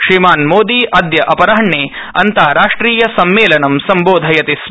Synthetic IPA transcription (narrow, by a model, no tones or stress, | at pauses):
ʃɾimaːnmoːd̪iːʔɐd̪jɐʔɐpɐɾɐɦɐɳːeː | ɐ̰nt̪aːɾaːʂʈɾiːjɐsɐmːeːlɐnɐmsɐmboːd̪ʱɐjɐt̪is